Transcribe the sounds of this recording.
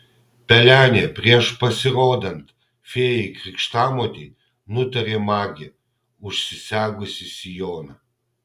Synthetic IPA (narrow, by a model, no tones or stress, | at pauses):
pʲɛlʲæːnʲepʲɾʲiɛʃpɐsʲɪɾoːd̪ɐnt̪ | fʲeːjikɾʲɪkʃt̪aːmɔt̪ʲi | nʊt̪ɐɾʲemɑːɡʲɪ | ʊʃʲsʲɪsʲæːɡʊsʲɪsʲijoːnɐ